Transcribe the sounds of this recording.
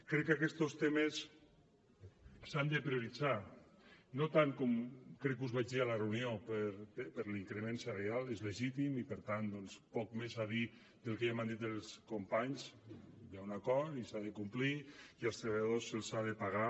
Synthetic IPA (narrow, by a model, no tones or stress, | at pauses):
kɾɛkːakɛst̪ost̪emes | sand̪epɾioɾid͡za | not̪aŋkɔmkɾɛkːuzβad͡ʒðialarewniopəɾpəɾliŋkɾemenserealezleʒit̪imipəɾt̪and̪ɔnspɔk̚mezaði | d̪elˠkeʒamand̪it̪elˠskompaɲzjawnakɔɾt̪isaðekumpliiəlˠst̪ɾeβaʎaðosːelˠsaðepaɣa